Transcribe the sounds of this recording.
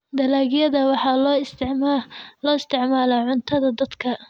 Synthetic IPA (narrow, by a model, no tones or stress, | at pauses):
d̪ɐlaːɣjɐðɐwɑħɑ | lɔːɪst̪ʰɪʕmaːlaʕʊnt̪ʰɐðɐd̪ɐd̪kʰɐ